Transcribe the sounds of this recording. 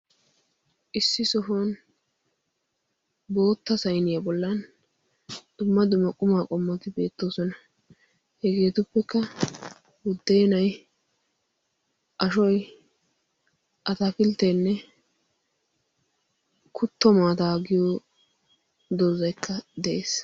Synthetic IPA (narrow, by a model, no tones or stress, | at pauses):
ʔɪsːɪsɔfon | bo̞ːt̪ːɐsɐjnɪjabɔlːɐn | d̪̥ʊmːɐd̪ʊmːɐkʼʊmaːkʼɔmːɐt̪ɪbe̞ːt̪ːo̞ːsɔnɐ | hɛɡeːt̪ʊpːɛkːɐ | wʊd̪ːɛjnɐj | ʔɐʃɔj | ʔɐt̪afɪlt̪enːɛ | kʊt̪ːɔmaːt̪aːɡɪjo | d̪ɔzɐjkʰːɐd̪ɛʔeːs